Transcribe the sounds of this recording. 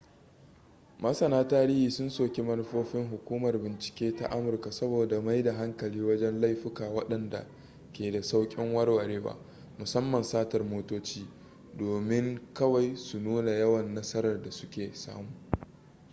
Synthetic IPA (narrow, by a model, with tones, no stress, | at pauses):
mɐ˦sɐ˨naː˦taː˦ɾɪ˦hiː˨sʊ˦nsoː˨kʲi˦mɐ˦n˦ɸoː˦ɸɪ˦ŋɦʊ˨kʷuː˦mɐ˨rbɪ˨nt͡ʃɪ̥˨kʲeː˦ta̰˦ʔa˦mʊ˨rka˨sɐ˦boː˨da˨ma˦jda˨ɦa˦ŋkɐ˨liː˦wɐ˦d͡ʒɛ˦nla˦jɸɪ˦kaː˨wɐ˦ɗɐ˨nda̰˨ | kʲeː˨da˨sa˦wkʲʼɪ˦ŋwɐ˦rwɐ˨ɽeː˦wa̰ː˦ | mʊ˨sɐ˦mːɐ˨nsaː˦tɐ˨rmoː˦toː˦t͡ʃiː˦ | doː˨mɪ˦ŋkɐ˦wa˨jsu˨nuː˦na˨jɐ˦wɐ˨nːɐ˦sɐ˦ɾɐ˨rda˨sʊ̥˦kʲeː˨sa̰ː˦muː˨